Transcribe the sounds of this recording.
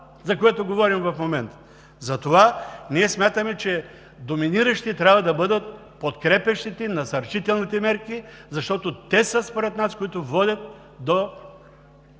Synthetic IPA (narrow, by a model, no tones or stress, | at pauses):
zɐkoɛt̪oɡovɔɾimvɐfmomɛnt̪ə̥ | zɐt̪ovaniɛsmʲjat̪əmɛt͡ʃɛ | d̪ominiɾəʃt̪it̪ɾʲabvɐd̪ɐbɤd̪ət̪̚ | pot̪kɾɛpɛʃt̪it̪ɛnɐsɐɾt͡ʃit̪ɛlˠnit̪ɛmɛɾkizɐʃt̪ɔt̪ot̪ɛsəspoɾɛt̪naskoit̪ovɔd̪ʲɐt̪̚ | d̪o